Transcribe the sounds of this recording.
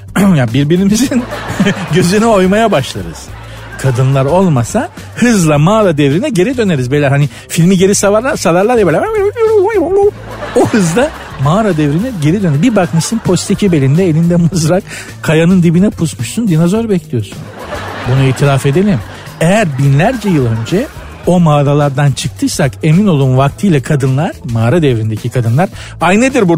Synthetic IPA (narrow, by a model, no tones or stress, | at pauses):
jabiɾbiɾimizinɟø̞zynɛo̞jmajabaʃlˠaɾɯ̰z̥ | kʰad̪ɯnlˠaɾo̞lˠmasa | hɯzlˠamaːɾad̪ɛvɾinɛɟe̞ɾid̪ø̞ne̞ɾizblʲæɾhani | filʲmiɟe̞ɾisavaɾlˠaɾsavaɾlˠaɾɛbelʲæmæɛølʲijoɾumlˠmajɯmabu | ohɯzd̪a | maːɾad̪ɛvɾinɛɟe̞ɾid̪ønɛbibaknasɯnpʰo̞st̪ʰicʰibe̞lʲind̪ɛelʲind̪ɛmuzɾak | kʰːajanɯnd̪ibinɛpʰusmuʃsund̪inazo̞ɾbɛclʲijo̞sun | bunuiːt̪ʰiɾafe̞d̪elʲim | ejæɾbinlʲæɾd͡ʒɛjɯlˠø̞nd͡ʒɛ | o̞maːɾalˠaɾd̪ant͡ʃʰɯk̚t̪ʰɯsake̞mino̞lˠuːnvak̚t̪ʰɯjlˠakʰad̪ɯnlˠaɾ̥maːɾad̪ɛvɾind̪ecʰikʰad̪ɯnlˠaɾajned̪iɾbu